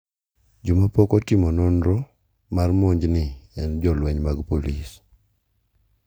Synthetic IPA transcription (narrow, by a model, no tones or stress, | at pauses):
d͡ʒʊmapɔkɔtɪmɔnonɾo | marmoɲd͡ʒnɪɛnd͡ʒɔlwɛɲmaɡpolis